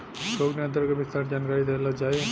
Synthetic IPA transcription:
ʃoːknẽə̃nt̪əɾkebɪst̪aːnd͡ʒaːnkaːɾid̪elad͡ʒaːe

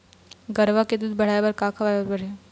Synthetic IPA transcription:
ɡəɾʋaked̪ud̪̚bəɽ̤ajbəɾkakʰəʋajəɾbəɽ̤e

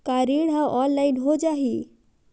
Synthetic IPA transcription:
kaɾiɽɦãʔɔnlajnɦod͡ʒaɦi

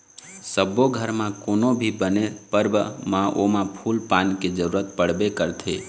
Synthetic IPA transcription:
səboɡʱəɾmãkonobʱibənepəɾbəmãʔomãpʰulpanked͡ʒəɾuɾət̪pəɽ̤bekəɾt̪ʰe

